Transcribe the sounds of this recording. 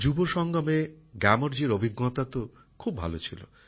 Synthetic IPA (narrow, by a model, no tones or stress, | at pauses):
d͡ʑuboʃɔŋɡɔmeɡamoɾd͡ʑiɾobʱiɡːɔt̪at̪o | kʰubʱa̰lot͡ɕʰilo̰